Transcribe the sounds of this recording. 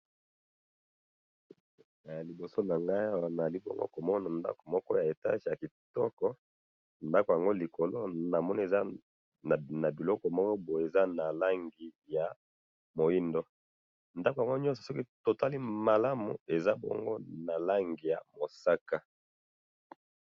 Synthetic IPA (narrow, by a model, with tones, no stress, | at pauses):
a˨li˨bo˨so˦na˨ŋɡa˦i˦a˦wa˦na˨li˦bɔ̰˦ŋɡo̰˦ko˨mɔ˦na˨nda̰˦ko˨mɔ˦kɔ˦ja˨e˨ta̰˦ʒi˨ja˨ki˨tɔ˦kɔ˦ | nda˦ko˨ja˨ŋɡo˦li˨ko˨lo˦na˨mɔ˦ni˦e˨za˦˨ | na˨bi˨lɔ˦kɔ˨mɔ˦kɔ˦bo˨e˨za˦na˨la˦ŋɡi˨ja˨ | mo˨i˦ndo˦ | nda˦ko˨ja˨ŋɡo˦ɲɔ˦sɔ˨sɔ˦ki˦to˨ta˦li˦ma˨la˦mṵ˨e˨za˦bɔ̰˦ŋɡo˦na˨la˦ŋɡi˨ja˨mo˨sa˦ka˦